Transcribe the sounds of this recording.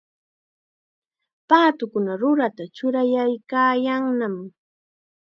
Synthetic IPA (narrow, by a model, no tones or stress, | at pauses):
paːt̪ʊkʊnaɾʊɾat̪at͡ʃʊɾajajkaːjaŋnam